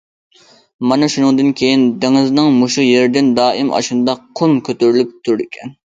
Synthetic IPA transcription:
mɑnɑʃunɨŋd̪ɨnkʲʰejind̪eŋɪznɨŋmoʃujeɾd̪ɪnd̪ɑːʔɪmɑ̰ʃund̪ɑqʰʊmkʲʰøt̪yɾlyp̚t̪ʰuɾd̪ɪkʲʰɛn

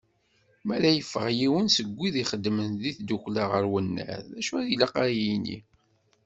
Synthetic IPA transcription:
mæɾæjəfːəʁjiwənsəɡʷːiðiχəd̪mənðiθd̪uklaʁəɾwənːæ̰ɾæʃuæðilaqaɾjinḭ

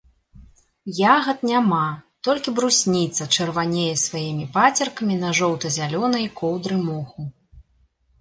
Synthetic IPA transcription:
jaɣɐt̪̚nʲamat̪ɔlʲkʲibɾusʲnʲit̪sɐt͡ʂɐrvanʲejɛsvajimʲipat͡sʲɐrkɐmʲinɐʐɔwt̪ɐzʲalʲɔnɐjkɔwd̪ɾɨmɔxu

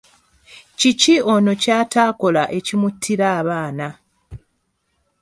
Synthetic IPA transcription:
cicio̞no̞caːtaːko̞laʔe̞cimutʰːiɾaːβaːna

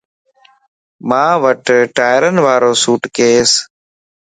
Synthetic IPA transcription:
mãːʋəʈʈaːɪɾənʋaːɾoːsuːʈkeːs

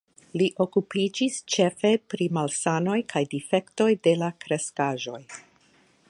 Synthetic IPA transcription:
liʔo̞kupid͡ʒist͡ʃe̞fe̞pɾimalsano̞jkʰajdife̞kto̞jde̞lakɾe̞skaʒo̞j

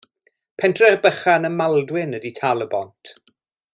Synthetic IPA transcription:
pʰɛntʰrɛrbəχanəmalˠdwɪnəditʰalˠəbɔntʰ

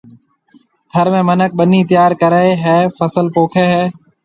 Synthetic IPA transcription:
t̪ʰəɾmẽːmənək̚ɓəniːt̪ɪjaːɾkəɾeːɦɛːfəsəlpoːkʰeːɦɛː

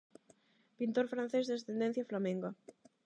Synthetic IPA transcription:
pint̪oɾfɾãn̟θezðest̪end̪ẽn̟θjaflamẽŋɡa

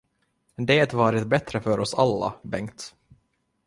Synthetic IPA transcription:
d̪eːt̪vɑːɾɪt̪bɛt̪ɾəfœɾɔsalːa̰bɛŋkt̪

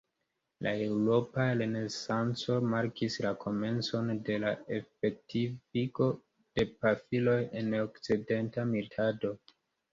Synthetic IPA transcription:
lae̞wɾo̞paɾe̞ne̞sant͡so̞maɾkislakʰo̞me̞nt͡so̞nde̞laefetʰifiko̞ | d̥e̞pafilo̞jenokt͡side̞ntamiltʰado̞

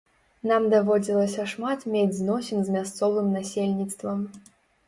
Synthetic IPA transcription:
namd̪avɔd͡zʲilˠɐsʲɐʂmat̪mʲed͡zʲznɔsʲinzmʲast̪sɔvɨmnasʲelʲnʲit̪st̪vɐm

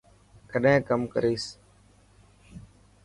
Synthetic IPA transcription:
kəɗɦẽːkəmkəɾiːs

